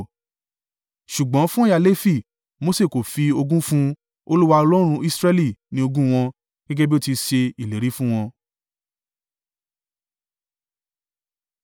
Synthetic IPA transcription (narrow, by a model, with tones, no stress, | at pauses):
ʃu˨ɡ͡bɔ̃˨˦fũ˦˨ja˧˨le˦fi˦˨ | mo˧˦se˦˨ko˨fi˧o˧ɡũ˦fũ˦ | o˧lu˦wa˧ɔ˧lɔ˦ɾ̃ũ˧i˦sɾɛ˦li˦˨nĩ˨˦o˧ɡũ˦w̃ɔ̃˧ | ɡ̥ɛ˦ɡɛ˦bi˦o˦˨ti˧ʃe˧i˨le˨ɾi˨˦fũ˦w̃ɔ̃˧